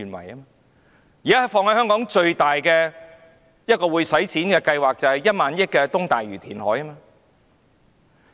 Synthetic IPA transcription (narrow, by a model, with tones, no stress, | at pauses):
nwɐ̰˨˩ja˥mː˧ | jiː˨kaː˥ɐ˨˩fɔː˧ŋhɐ˨˥hœː˥ŋkɔː˨˥ŋt͡ʃɵ˧ɥt̪aː˨jkɛː˧ | jɐ˥t̚kɔː˧wuː˨˧jsɐ˨˥jt͡sʰiː˨˥nkɛː˧kɐ˧jwaː˨k̚t͡sɐ˨whɐ˨jːɐ˥t̚maː˨˥njɪ˥kːɛː˧t̪ʊ˥ŋt̪aː˨jɥyː˨˩t̪ʰiː˨˩nhɔː˨˥ja˥maː˧